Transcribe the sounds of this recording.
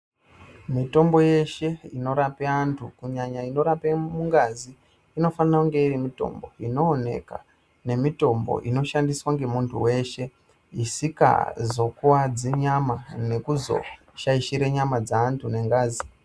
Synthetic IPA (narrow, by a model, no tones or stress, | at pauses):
mito̞mbo̞je̞ʃe̞ino̞ɾapeantʰukuɲaɲaino̞ɾapemuŋɡaziː | no̞fanirakuŋɡe̞irimito̞̰mbo̞̰inoːne̞̰ka̰ | ne̞mito̞mbo̰ʔino̞ʃandiswaŋɡe̞muntʰuwe̞ːʃe̞ | isika̰zo̞kuwad͡ziɲamane̞kuzo̞̰ | ʃaiʃiɾeɲamad͡zaːntʰune̞ŋɡaːzi